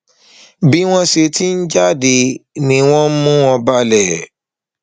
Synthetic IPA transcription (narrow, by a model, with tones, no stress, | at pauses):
bi˦w̃ɔ̃˦se˧ti˦n̩˦d͡ʒa˦de˧˨nĩ˧w̃ɔ̃˦mũ˦wɔ̃˧ba˧lɛ˨